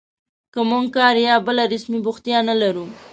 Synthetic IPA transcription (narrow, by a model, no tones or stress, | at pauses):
kəmuŋɡkɑɾjɑbəlaɾɪsmibʊxt̪jɑnalaɾu